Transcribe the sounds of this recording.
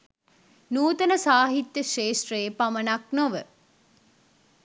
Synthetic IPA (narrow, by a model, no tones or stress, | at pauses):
nuːt̪ənəsaːɦit̪jəʃeːʂʈreːpamənaknoʋə